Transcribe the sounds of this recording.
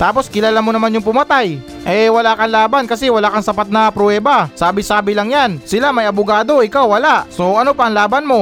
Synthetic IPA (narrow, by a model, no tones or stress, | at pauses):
t̪aːpo̞skɪlaːlamonɐmanjʊŋpʊmɐt̪aj | ʔɛwɐlakɐnlaːbankɐsɛwɐlaʔkɐŋsɐpat̪̚nɐpɾoɛːbɐsaːbɪsaːbɪlaŋjansɪlamɐjʔɐbʊɡaːd̪o̞ʔɪkawːɐlaʔsoɐnopɐɐŋlaːbanmo̞